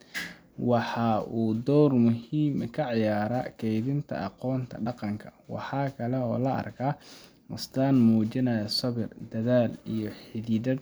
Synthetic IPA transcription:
wɑħɑʔuːd̪ɔwrmʊhiːmkʰɐʕɑjaːɾɐːkʰɛjðɪnt̪ʰɐ̰ʔɑqɔːnt̪ʰɐ̰ɖɐqɑŋkʰɐ̥wɑ̰ħɑːkʰɐlɛɔːlɐʔɐ̰rkʰaː | mʊst̪aːnmuːt͡ʃɪnɐjɐsɔβɪrd̪ɐðaːlijɔħɪðiːd̪ɐd

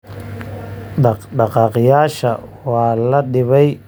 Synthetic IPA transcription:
ɗɑqɖɑqɑːqjaːʃɐwaːlɐɗɪβɛj

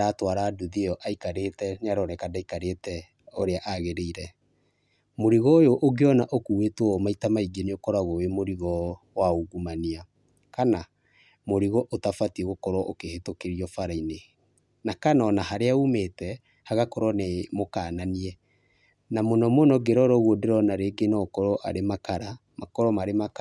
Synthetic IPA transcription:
ɾatwaɾaːduðiɔʔaikaɾetɛɲaɾɔɾɛkadaikaɾetɛ | oɾeaʔaɣeɾeiɾɛ | moɾiɣɔjoʔoɡeɔnaʔokuwetwɔmaitamaiɡeniokɔɾaɣowemoɾiɣɔ | waoɡumania | kana | moɾiɣɔʔotafatieɣokɔɾwɔʔokehetokeɾiɔfaɾaine | nakanɔnaɦaɾeaumetɛ | haɣakɔɾwɔnemokananiɛ | namonɔmonɔɡeɾɔɾɔɣwodeɾɔnaɾeɡenɔkɔɾɔʔa̰ɾemakaɾa | makɔɾɔmaɾemak

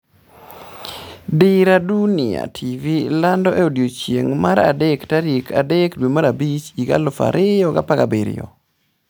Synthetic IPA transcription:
dɪɾadunɪa̰tʰivilandɔʔɛodjot͡ʃjeŋmaɾa̰dɛktaɾekʰa̰dɛkdwemaɾabit͡ʃiɡa̰lʊfa̰ɾʔɪjɔɡa̰pakabeɾɪ̰jɔ̰

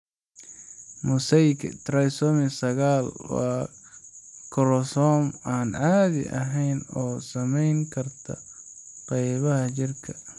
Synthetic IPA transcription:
mʊsɐjkt̪ʰɾɐjsɔmɪsɐɣaːlwɑ̰ː | kʰɔɾɔsɔmaːnʕaːðɪ̰ʔɐ̰ɦɛjnɔːsɐmɛjŋkʰɐrt̪ʰɐ̰qɛjβɐɦɐt͡ʃɪrkʰɐ

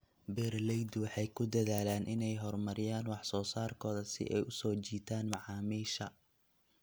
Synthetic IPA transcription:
bɛːrlɛjd̪wɑħɑjkʰʊd̪ɐðaːlaːnʔɪnɛjɦɔrmɐɾɪjaːnwɑħsɔːsaːrkʰɔːðɐsɪ̰ʔɛ̰jʔʊsɔːt͡ʃiːt̪ʰaːnmɑʕɑːmiːʃɐ

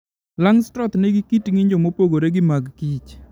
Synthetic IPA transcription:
laŋstɾɔt̪neɡɪkitŋiɲd͡ʒomopoɡoɾeɡɪmaɡkit͡ʃ

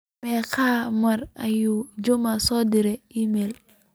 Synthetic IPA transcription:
ekamaɾa̰jud͡ʒomasɔdiɾeimel

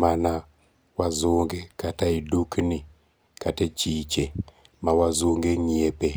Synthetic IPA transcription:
mana | wazʊŋɡekataidukni | katet͡ʃit͡ʃe | mawazuŋɡeŋiepe

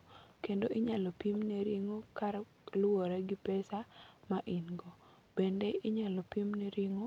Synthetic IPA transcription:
kendoʔɪɲalɔpimneɾiŋokaɾ | loɾɛɡɪpɛsamaʔinɡo | b̥endeɪɲalɔpimneɾiŋo

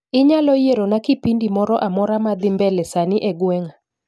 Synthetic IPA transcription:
ɪɲalɔjeɾonakɪpindimɔɾɔʔamɔɾamad̪ɪmbɛlɛsanɪʔɛɡwɛŋa

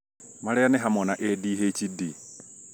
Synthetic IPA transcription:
maleanɛɦamonaʔediɦecidi

